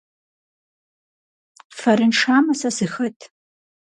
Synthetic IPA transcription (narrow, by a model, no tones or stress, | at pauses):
faɾɨnʂaːmɐsasɨxɐtʼʰ